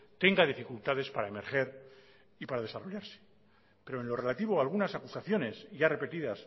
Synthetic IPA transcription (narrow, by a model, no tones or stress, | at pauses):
t̪e̞ŋɡaðifikult̪aðe̞spaɾae̞me̞ɾχe̞ɾ | ipaɾað̞e̞saro̞ʝaɾse̥ | pe̞ɾo̞e̞nlo̞re̞lat̪iβo̞alɣ̞unasakusaθjo̞ne̞sʝare̞pe̞t̪iðas